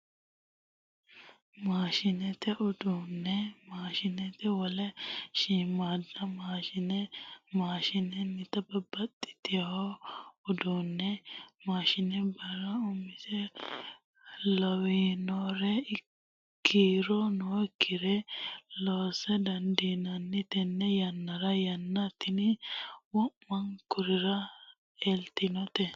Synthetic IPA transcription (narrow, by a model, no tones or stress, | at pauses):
maːʃɪnɛt̪ɛʔʊd̪unːɛmaːʃɪnɛt̪ɛwɔlɛʃiːmaːd̪ːɐmaːʃɪnɛmaːʃɪnɛnɪt̪ɐbɐbɐt̪ʼːɪ̥t̪ɪjɐwɔʊd̪unːɛmaːʃɪnɛbɐɾɐʊmɪsɛ | lɔwinoɾɛ | kʰːiːɾɔnoɪkʰːɪɾɛloːsɛd̪ɐnd̪iːnɐnːɪt̪ɛnːɛjɐnːɐɾɐjɐnːɐt̪ːɪnɪwɔmːɐŋkʊɾɪɾɐ | ɛlt̪ɪnɔt̪ɛ